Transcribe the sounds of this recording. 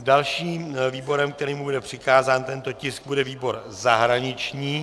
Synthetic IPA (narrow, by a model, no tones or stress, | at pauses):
dalʃiːmviːbo̞ɾɛmkt̪ɛɾiːmubudɛpr̝̥ɪkaːzaːnt̪ɛnt̪o̞cɪsɡ̚budɛviːbo̞ɾ | zaɦɾaɲɪt͡ʃɲiː